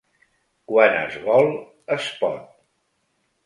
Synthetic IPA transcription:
kwanə̰zβɔlˠ | əspɔ̰t̪̚

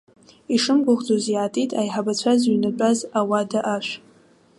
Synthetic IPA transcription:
iʂɨmɡʷʊʁd͡zozjʕatʼitʼajħabat͡ɕʷʰazɥinat͡pʷʼazawadaʔaʃʷ

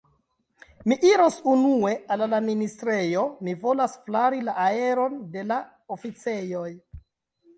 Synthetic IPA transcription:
miʔiɾosunue̞allaministɾe̞jo̞mivo̞lasflaɾilaʔae̞ɾo̞nde̞la | ofit͡se̞joj

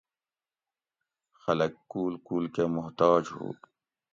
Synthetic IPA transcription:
xɐlɐkːuːlkuːlkemʊɦt̪ɑːd͡ʒɦṵː

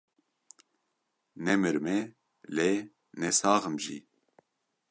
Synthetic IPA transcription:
nɛmɨɾmɛ | le | nɛsɑːɣɨmʒḭ

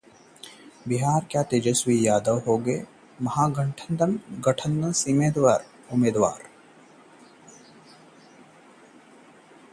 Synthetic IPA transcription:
bɪɦaːɾkjaːt̪ed͡ʒɐswiːjaːd̪ɐwɦoːɡeː | mɐɦaːɡɐ̃ɳʈʰənd̪ɐnɡɐʈʰə̃nd̪ɐsiːmẽːd̪waːɾ | ʊmeːd̪ʋa̰ːɾ

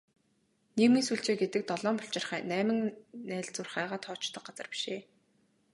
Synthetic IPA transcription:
neɣmiːnsuːɬt͡ɕeːɡet̪ɘ̆k̚t̪ɔɮɔːmpʊɬt͡ɕɪ̆rχæːnæːmɘ̆ŋnæːɮt͡sʊrχæːʁaːt̪ʰɔːt͡ɕt̪ɞ̆q̚ɢat͡sə̆rpi̥ʃeː

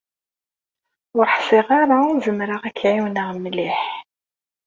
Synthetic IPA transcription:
ʊɾħsˤɪʁaɾaʊʒəmɾaʁækʰːʕiwnəʁmliħ

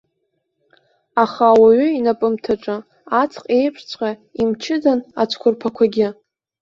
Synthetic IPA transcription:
aχawaɥʏinapʼɨmtʰaʈ͡ʂʼɨ | at͡sʰqʼe̞jpʷʰt͡sʷʰʼqʼaimt͡ʃʰɪdana̰t͡sʷʰkʷʰʊrpʰakʷʰaɡʲɪ

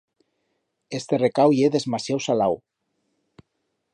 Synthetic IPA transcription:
est̪erekawieðezmasjawsalaw

